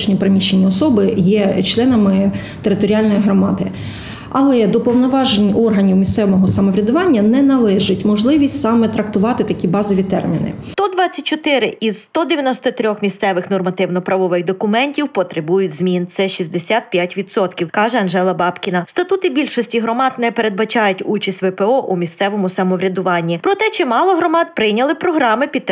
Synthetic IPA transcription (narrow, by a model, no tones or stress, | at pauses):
ʃnʲipɾemʲiʃenʲːiɔsɔbɪjɛt͡ʃlˠɛnɐmɪ | t̪eɾɪt̪ɔɾʲiɑlʲnɔjiɦɾɔmɑd̪ɪ | ɐlˠɛd̪ɔpɔwnɔʋɑʒenʲːiʔɔrɦɐnʲiwmʲist̪sɛʋɔɔɦɔsɐmɔʋɾʲɐd̪ʊʋɑnʲːɐnɛnɐlˠɛʒɪtʲmɔʒlˠɪʋʲisʲtʲsɑmɛt̪ɾɐkt̪ʊʋɑt̪ɪt̪ɐkʲibɑzɔʋʲit̪ɛ̰rmʲinɪ̰st̪ɔd̪ʋɑt͡sʲːɐtʲt͡ʃɔt̪ɪɾɪʔiz̥ːt̪ɔd̪eʋʲjɐnɔst̪ɔt̪ɾʲɔxmʲist̪sɛʋɪxnɔrmɐt̪ɪwnɔpɾɐʋɔʋɪxd̪ɔkʊmɛnʲtʲiwpɔt̪ɾebujʊtʲzmʲint̪sɛʃʲizʲd̪esʲat̪̚pʲjatʲʋʲid̪sɔt̪kʲiwkɑʒɛɐnʒɛlˠɐbɑpkʲinɐst̪ɐt̪ut̪ɪbʲilʲʃɔsʲtʲiɦɾɔmɑd̪nɛpeɾe̞d̪̚bɐt͡ʃɑjʊtʲut͡ʃɐsʲtʲʋɛpɛɔʔumʲist̪sɛʋɔmʊsɐmɔʋɾʲɐd̪ʊʋɑnʲːipɾɔt̪ɛt͡ʃɪmɑlˠɔɦɾɔmɑt̪pɾɪjnʲɐlˠɪpɾɔɦɾɑmɪpʲi